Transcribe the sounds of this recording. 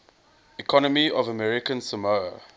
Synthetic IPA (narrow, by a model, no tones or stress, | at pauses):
ikʰɔnəmiɔvəmɛɹɪkə̃nsəmoə